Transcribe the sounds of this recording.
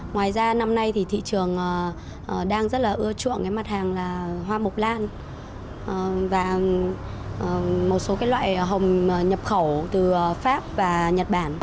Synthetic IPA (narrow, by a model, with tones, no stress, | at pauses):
ŋwaː˨˩jzaː˧na˧mna˧jt̪ʰi˨˩t̪ʰḭ˧˨t͡ɕɨ˨˩əŋʔəː˨˩ | ʔəː˨˩ɗaː˧ŋzə˦˥t̚laː˨˩ʔɨ˧ət͡ɕṵ˧˨ənkaː˨˦jma˦˥t̚haː˨˩ŋlaː˨˩ɦwaː˧mʊ˨˩k͡p̚laː˧n | ʔvaː˨˩˨ | mo˨˩t̚so˨˦kaː˨˦jlwa̰ː˧˨jɦə˨˩wŋ͡mɲə˨˩p̚xə˧˩wt̪ɨ˨˩faː˦˥p̚vaː˨˩ɲə˨˩t̚ɓaː˧˩n